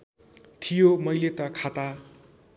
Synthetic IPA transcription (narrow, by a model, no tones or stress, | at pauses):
t̪ʰijomʌjlet̪ʌkʰat̪a